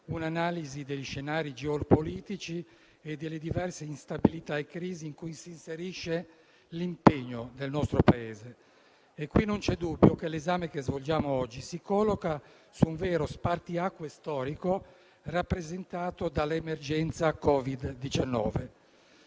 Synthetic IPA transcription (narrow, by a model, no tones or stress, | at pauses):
unanaːlizid̪eʎʃenaːɾid͡ʒeolpoliːt̪it͡ʃi | ed̪elːed̪ivɛrseinst̪abilit̪aekːɾiːziːŋkujsiːnseɾiʃːe | limpeɲːod̪elnɔst̪ɾopaeːzeː | kːwinːont͡ʃɛd̪ubːjokelezaːmekezvold͡ʒaːmoɔd͡ʒːisikɔlːoka | suːɱvɛːɾospart̪iakːwest̪ɔːɾiko | rapːɾezent̪aːt̪od̪alemerd͡ʒɛnt̪sakɔːvid̪ːit͡ʃanːɔ̰ːve